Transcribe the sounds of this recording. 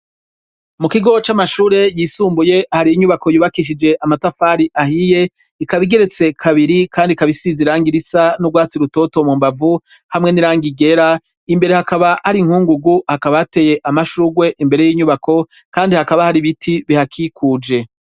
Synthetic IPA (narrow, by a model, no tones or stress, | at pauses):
mukiɡo̞t͡ʃamaʃuːɾe̞jiːsuːmbuje̞ahaɾijiɲuβako̞juːβakiʃ̬id͡ʒe̞ʔamatafaɾiʔahije̞ | ikaβiɡe̞ɾe̞t͡se̞kʰaβiɾikaːndikaβisiziɾaːŋɡiɾisanuɡwaːt͡siɾuto̞to̞mumbavu | hamŋe̞niɾaːŋɡiɡe̞ɾa | imbe̞ɾe̞hakaβahaɾiŋhuːŋɡuɡuhakaβaate̞ːje̞ʔamaʃuɡwe̞ʔimbe̞ɾe̞jiːɲuβakʰo̞ | kaːndihakaβahaɾiβitʰiβihakʰikʰuːd͡ʒe̞